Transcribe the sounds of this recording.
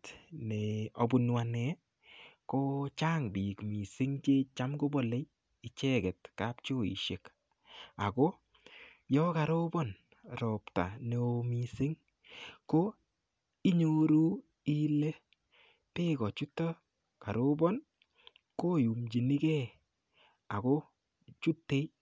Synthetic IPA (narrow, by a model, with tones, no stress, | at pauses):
tnɛ˨o˨bʊ˨nwa˨nɛ˨ | ko˦t͡ʃaː˦ŋbi˨kmi˨sɪ˦ŋt͡ʃe˦t͡ʃa˦mɡo˦bɔ˦le˦j | ɪ˨t͡ʃɛ˦ɡɛ˨tka˦pt͡ʃo˦ḭ˨ʃe˨k | a˨kɔ˦ | jɔ˦ka˨ɾo˦bɔ˦n | ɾɔ˨pta̰˨ne˨o˨mi˨sɪ˦ŋ | ko˦ | i˦ɲo˦ɾu˦ | i˦le˦ | pe˦kɔ˨t͡ʃu˦tːɔ˦ | ka˨ɾo˦bɔ˦n | ko˦ju˨md͡ʒi˨ni˦kɛ˦ | a˨ko˦ | t͡ʃu˦tːe˦j